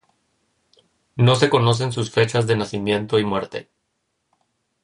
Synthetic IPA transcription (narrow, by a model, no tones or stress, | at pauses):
no̞s̬e̞ko̞no̞s̬e̞ns̬usfe̞t͡ʃazðe̞nasimje̞nt̪o̞imwe̞ɾt̪e̞̰